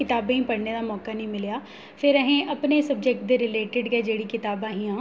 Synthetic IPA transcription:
kɪt̪aːbẽĩpɐɽned̪aːmɔːkanɐĩːmɪljaː | fʰɪɾɐɦẽʔɐpnesɐbd͡ʒek̚ʈd̪eɾɪleːʈɪɖɡɐed͡ʒeːɽikɪt̪aːbaːɦĩãː

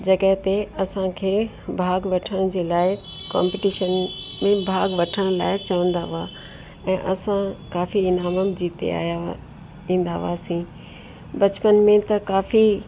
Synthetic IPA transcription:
d͡ʑɐɡəɦt̪eɐsãkʰeː | bʱaːɡʋɐʈʰəɽ̃d͡ʑeːlaːɪkã̰ːmpɪʈiːʃənmẽbʱaːɡʋɐʈʰəɽ̃la̰ːɪt͡ɕɐʋə̃nd̪aːʋaː | ɛ̃ːʔɐsãkaːfiɪnaːməmd͡ʑiːt̪ḛa̰ːja | ĩːn̆d̪a̰ʋaːsĩː | bɐt͡ɕpənmẽt̪ɐkaːfi

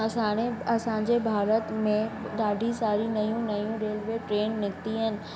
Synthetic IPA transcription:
ɐsãːɽ̃eɐsãːɲd͡ʑebʱaːɾət̪mẽ | ɗaːɖʱisaːɾinɐjũnɐjũɾeːlʋeːʈɾeːnːɪkt̪iɦənɪ̆

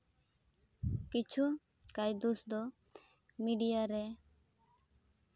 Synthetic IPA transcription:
kit͡ʃʰu | kajd̪usd̪ɔ | miɖijaɾɛ

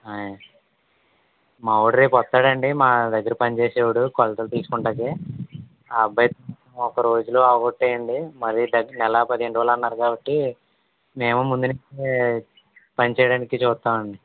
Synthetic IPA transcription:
aːja | mɐwuɽɐɾiːpɔt̪ːaːɽɐɳɖimaːd̪ɐɡːɐɾupɐnit͡ʃeːseːwuɽukɔlɐt̪ɐlt̪iːsu̥kuɳʈaːkeː | bːɐjɐt̪umɐɐɔkɐɾo̞ːd͡ʒuloːɐʋɐɡoʈːɛːjɐɳɖimɐɾid̪ɐɡnɛlɐpɐd̪iɦe̞ɳɖʋaːlɐnːaːɾukaːbɐʈːi | me̞ːmumund̪unit͡ʃe | pɐnit͡ʃɛːjɐɽaːnikit͡ʃuːt̪ːaːmɐɳɖi

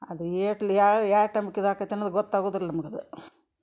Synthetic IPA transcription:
ɐd̪ueːʈɐlaːaːʈɐmbkːiðaːkɐt̪ːenɐd̪ɡɔt̪ːaːɡoːd̪iɾlːɐmɐɡɐd̪u

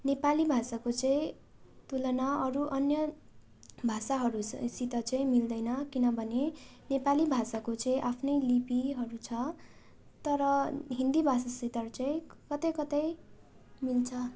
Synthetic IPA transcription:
nepalibʱasakot͡sʌĩ | t̪ulʌnaʌɾuʔʌnjʌ | bʱasaɦʌɾusit̪ʌt͡sʌĩmild̪ʌjnʌkinʌbʱʌne | nepalibʱasakot͡sʌĩʔapʰnʌjlipiɦʌɾut͡sʰʌ | t̪ʌɾʌɦind̪ibʱasasit̪ʌrt͡sʌĩkʌt̪ʌjkʌt̪ʌj | milt͡sʰʌ

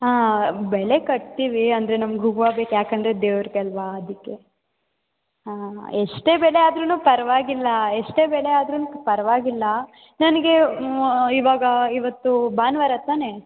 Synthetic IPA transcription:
aːbɛɭekɐʈ̚t̪iːʋiɐnd̪ɐɾe̞nɐmɐɡɦuɡʋaːbeːkujaːkɐnd̪ɾed̪eːʋɐɾkɐlʋaɐd̪ikːe̞ | aeʂʈe̞ːbɛɭeaːd̪ɾunuːpɐɾɐʋaːɡilːɐeʂʈe̞ːbɛɭeaːd̪ɾunuːpɐɾɐʋaːɡilːɐ | nɐnɐɡe̞ | iːʋaːɡɐiʋɐt̪ːubaːnʋaɾat̪aːne̞

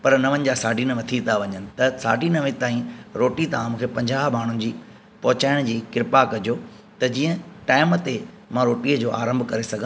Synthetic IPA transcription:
pɐɾnɐʋənɪ̆d͡ʑaːsaːɖʱinɐʋɐt̪ʰit̪ʰaʋɐɲənɪ̆t̪ɐsa̰ːɖʱinɐʋɪ̃t̪aːĩɾoːʈit̪aãmũːkʰepɐ̃ɲd͡ʑaːɦmaːɳ̤ʊnɪ̆d͡ʑiː | pɐɦʊt͡ɕaːɪɽ̃d͡ʑiːkɪɾɪpakɐd͡ʑʱoː | t̪ɐd͡ʑiːə̃ʈaːɪmt̪e | mãɾoːʈiːəd͡ʑoːʔa̰ːɾə̃mbʱkɐɾesɐɡʱã

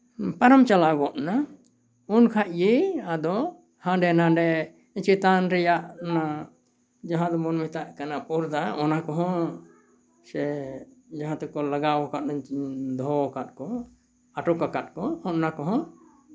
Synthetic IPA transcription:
paɾamt͡ʃalabɔʔna | unkʰaʔjiad̪ɔ | hãɖɛnaɖɛ | t͡ʃit̪anɾɛjaʔna | d͡ʒaɦãd̪ɔmɔnmit̪aʔkanapuɾd̪aɔnakɔɦɔ̃ | sɛ | d͡ʒaɦãt̪ɛkɔlaɡawɔkaʔ̪̚nad̪ɔɦɔkat̪̚kɔ | aʈɔkakat̪̚kɔɔʔnakɔɦɔ̃

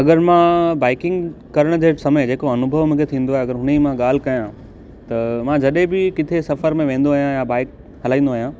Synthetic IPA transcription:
ɐɡəɾmãbaːɪkɪ̃ŋɡkɐɾəɽ̃d͡ʑeːsɐmed͡ʑeːkoɐnʊbʱəʋmũːkʰet̪ʰĩːn̆d̪oaːeɐɡəɾɦʊnimãɠaːl̤ɪkɐjã | t̪ɐmãd͡ʑɐɗɦẽbɪkɪt̪ʰesɐfəɾmẽʋẽːn̆d̪oːɦijãjabaːɪk | ɦɐl̤aːĩːnd̪oːɦijãː

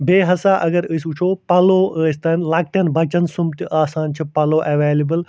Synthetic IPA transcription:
beːɦɐsaʔɐɡɐɾəsut͡ʃʰoːpɐloːəst̪ɐnlaːk̚ʈɐnbɐt͡ʃɐnsumt̪iʔaːsaːnt͡ʃʰipɐloːʔɐʋeːlibəl

